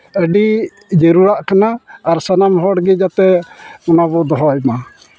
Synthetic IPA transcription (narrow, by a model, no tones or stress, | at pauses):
əɖi | d͡ʒəɾuɾaʔkanaːɾsanamɦɔɽɡɛd͡ʒat̪ɛɔnabɔd̪ɔɦɔjma